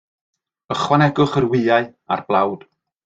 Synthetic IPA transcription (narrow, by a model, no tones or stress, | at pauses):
əχwanɛɡʊχərwɪːaɨa̰rb̥lˠawd̥